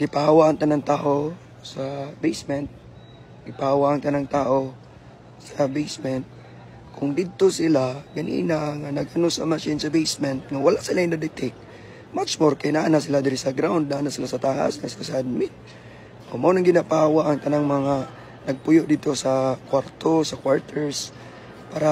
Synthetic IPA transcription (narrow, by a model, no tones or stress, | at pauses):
ɡɪpahawaʔɐŋt̪ɐnaŋt̪aːʔo̞ | sɐbejsmɛnt̪̚ | ɡɪpahawaʔɐŋt̪ɐnaŋt̪aːʔo̞ | sɐbejsmɛnt̪̚ | kʰʊŋd̪ɪd̪̚t̪osɪlaɡɐnḭːnaŋanɐɡʔɐnosɐmaʃɪnsɐbejsmɛnt̪̚ŋɐwɐlaʔsɪlaɪnɐd̪ɪt̪ɛk̚ | mat͡ʃmoɾkɐjnɐʔanas̬ɪlad̪ɪɾɪsɐɡɾawnd̪̚naʔanasɪlasɐt̪aːʔa̰sŋɐsɪlasɐʔɐd̪̚mɪt̪̚ | ʔomɐʔonɐŋɡɪnapaːwaʔɐŋt̪ɐnaŋmɐŋa | nɐɡ̚pʊjoʔd̪id̪̚t̪o̞sɐkwaɾt̪o̞sɐkwaɹt̪ʰɛɹs | paːɾa